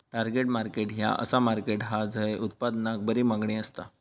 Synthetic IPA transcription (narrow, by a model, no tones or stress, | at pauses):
ʈaɾɡeʈmaɾkeʈja̰ʔə̰samaɾkeʈɦad͡zʱəeʔut̪̚pad̪nak̚bəɾiːmaɡɳiːəst̪a̰